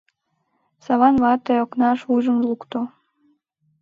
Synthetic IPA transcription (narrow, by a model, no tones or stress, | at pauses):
sɑβɑnβɑt̪eoknɑʃuʒəmlukt̪o